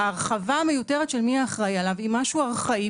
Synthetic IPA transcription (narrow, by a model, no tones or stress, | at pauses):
aːʁχavame̞juteʁet̪ʃelmiaːχʁajalavimaʃuaʁχai